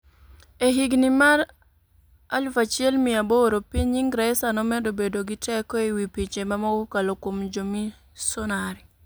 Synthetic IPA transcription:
eɦiɡnimaɾ | a̰lfat͡ʃiɛlmɪaboɾopiɲɲiŋɡɾaɛsanɔmɛdobedoɡitɛkɔiwipit͡ʃemamaɡukalokwomd͡ʒomi | sɔnaɾi

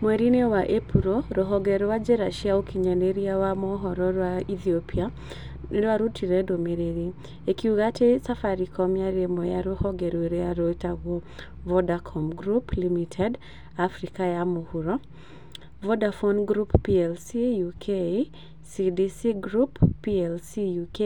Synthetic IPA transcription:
mweɾinewaʔepuɾoɾɔɦɔɡɛɾwad͡ʒeɾaʃiaokiɲaneɾiawamɔɦɔɾɔɾwaiθiopʰia | waɾutiɾɛdomeɾeɾi | ekiuɡatesafaɾikʰɔmjaɾemɔjaɾohɔɡeɾweɾeaɾotaɡo | vɔdakʰɔmɡɾuplimitʰɛd | afɾikajamohuɾɔ | vɔdafɔnɡɾupːiɛlsijukʰe | sidisiɡɾupːiɛlsijuke

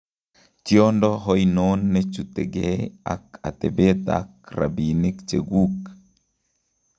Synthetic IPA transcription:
t͡ʃiondɔɦojnonːet͡ʃut̪eɡea̰ka̰t̪ɛbet̪a̰k̚ra̰binikt͡ʃeɡuk

